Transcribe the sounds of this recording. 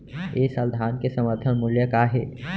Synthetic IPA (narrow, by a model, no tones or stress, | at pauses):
eːsəld̪ʱaːnkesəməɾt̪ʰənmuljəkaːɦe